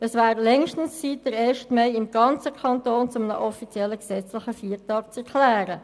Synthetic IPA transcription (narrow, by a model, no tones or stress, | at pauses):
əsvæːɾlɛŋʃtən̩st͡siːt̚d̥əɾeːʃtmeɪɪmɡ̥ɑnt͡səkʰɑntoːnt͡sʊmənə̰ʔɔfit͡sjɛlːəksɛt͡slɪχəfiːɾtɑːk̚t͡sɛɾkʰlɛːɾə